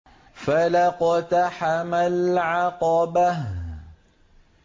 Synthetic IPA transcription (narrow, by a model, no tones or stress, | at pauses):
falaqɑt̪aħamalʕɑqɑba